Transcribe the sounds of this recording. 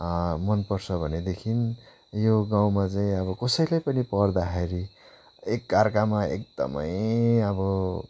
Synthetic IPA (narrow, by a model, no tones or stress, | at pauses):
mʌnpʌrt͡sʰʌbʱʌned̪ekʰin | joɡaw̃mat͡saĩʌbʌkʌsʌjlajpʌnipʌrd̪aɦeɾi | ekːarkamaḛk̚d̪ʌ̰mʌ̰jʌbʌ